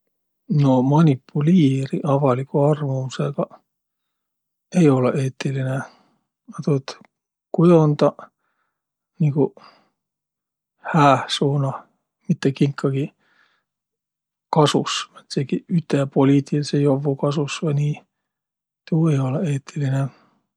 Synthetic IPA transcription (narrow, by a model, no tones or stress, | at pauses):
no̞mɑnʲipːˑuliːɾiʔɑvɑlikːˑuɑrmuuseɡ̥ɑ | ejo̞leʔeːt̪ːiline | ɑt̪uet̪ | kujo̞nd̪̥ɑ | niku | hæːhsuːnɑ | mit̪ːekiŋkʰːɑɡ̥i | kɑsusɑt̪seɡiyt̪ːˑepolʲiːt̪ˑilisejovːukɑsusʋɑjniː | t̪uːejo̞leeːt̪ʰːiline